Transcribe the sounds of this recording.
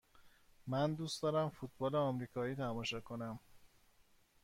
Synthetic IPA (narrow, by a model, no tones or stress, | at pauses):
mænd̪uːstd̪ɒːɾæmfuːt̪̚ʰbɒːleɒmɾiːkʰɒːiːt̪ʰæmɒːʃɒːkʰo̞næm